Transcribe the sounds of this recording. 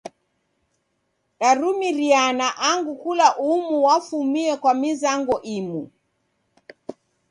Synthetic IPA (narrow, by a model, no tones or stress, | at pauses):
ɗaɾumiɾianaʔaŋɡukulaʔumuwafumiɛkwamizaŋɡɔʔimu